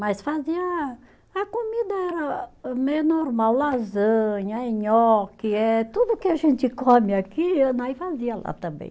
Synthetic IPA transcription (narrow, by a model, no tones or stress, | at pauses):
masfaziɐ | ɐkomid̪ɐɛɾɐmenoɾmawlazɐ̃ɲɐeɲɔkiɛt̪ud̪ukɪaʒẽnt̪ɪkɔmɪakinaifaziɐla̰t̪ɐ̃mbḛ̃j̃